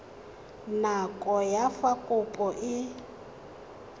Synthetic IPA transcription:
nakʼɔjafakʼʊpʼɔʔɪ

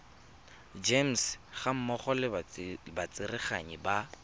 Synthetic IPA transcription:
d͡ʒem̩sχam̩mɔχɔlɪbat͡sʼɪrɪχa̰ɲiba

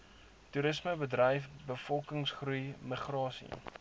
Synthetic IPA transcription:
tuɾəsməbədrɐjfbəfɔlˠkəŋsχrujməχrɑːsḭ

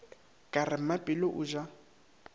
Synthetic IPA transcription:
kʼarɪm̩mapʼɪlɔʔʊʒa

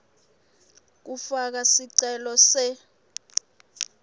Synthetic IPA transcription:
k̬ufak̬asiǀɛlɔsɛ

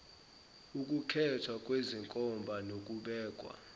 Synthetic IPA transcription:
uk̬ʼukʰɛtʰwak̬ʼweziŋkʼɔmbʱanok̬ʼuɓɛːk̬ʼwa̰

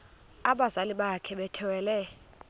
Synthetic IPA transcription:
aɓazaliɓakʰɛɓɛtʰɛwɛːlɛ

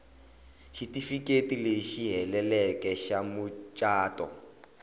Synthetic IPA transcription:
ʃitifikʼetileʃiɦɛlɛlɛkʼɛʃamʊt͡ʃʼaːtʼɔ̰

